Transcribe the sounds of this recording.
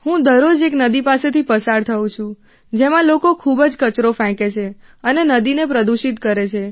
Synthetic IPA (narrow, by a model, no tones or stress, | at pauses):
hũd̪əɾod͡ʒeknəd̪ipaset̪ʰipəsaɾt̪ʰəũt͡ʃʰũ | d͡ʒemãlokokʰubd͡ʒkət͡ʃɾofɛ̃ket͡ʃʰe | ənenəd̪inepɾəd̪uʃit̪kəɾet͡ʃʰe